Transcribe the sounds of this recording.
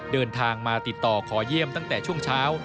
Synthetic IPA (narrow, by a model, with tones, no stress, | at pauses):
dɤː˧nt̪ʰaː˧ŋmaː˧t̪i˨˩t̪ːɔː˨˩kʰɔː˩˦ji˥˩əmt̪a˥˩ŋt̪ɛː˨˩t͡ɕʰu˥˩əŋt͡ɕʰaː˦˥w